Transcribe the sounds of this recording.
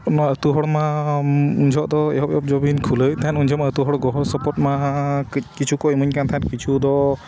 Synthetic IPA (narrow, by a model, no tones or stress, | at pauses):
nɔət̪uɦɔɽma | und͡ʒʱɔʔd̪ɔɛ̰ɦɔpɛɔp̚d͡ʒɔbinkʰulət̪ʰanund͡ʒʱɔmaət̪uɦɔɽɡɔɦɔsɔpɔt̚ma | kit͡ʃʰukɔmuɲkant̪ʰankit͡ʃʰud̪ɔ